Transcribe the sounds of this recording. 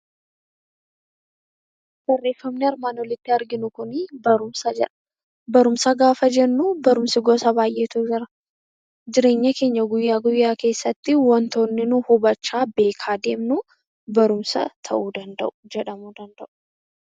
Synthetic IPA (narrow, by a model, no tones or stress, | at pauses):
hɔrːeːfːɐmnɪɐɾmaːnwɔlɪt̪ːɪɐɾɡɪnʊkʊnbɐɾʊmsɐd͡ʒɛᶑɐ̥ | bɐɾʊmsaɡaːfɐd͡ʒɛnːubɐɾʊmsɪɡoːsɐbaːjʔe̞ːt̪ud͡ʒɪɾɐ | d͡ʒɪɾe̞ːɲːɐke̞ːɲːɐɡʊjːaːɡʊjːaːke̞ːsːɐt̪ːɪwɐnt̪o̞ːnːɪnʊhʊbɐt͡ʃːaːbe̞ːkʰaːd̪e̞ːmnʊ | bɐɾʊmsɐ̰t̪ʰɐ̰ʔuːd̪ɐnd̪ɐ̰ʔʊ̥d͡ʒɛᶑɐmuːd̪ɐnd̪ɐʔʊ̥